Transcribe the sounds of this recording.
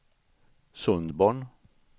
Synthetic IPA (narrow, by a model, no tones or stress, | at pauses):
sɵnd̪bɑːɳ